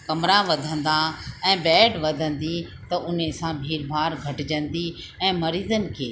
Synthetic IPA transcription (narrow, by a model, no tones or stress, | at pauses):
kɐmɾãʋɐd̪ʱə̃nd̪aɛ̃ːbɛːɖʋɐd̪ʱə̃nd̪i | t̪ɐʔʊnesãbʱiːɾbʱaːɾɡʱɐʈɪd͡ʑə̃nd̪i | ɛ̃ːmɐɾiːzənɪ̆kʰeː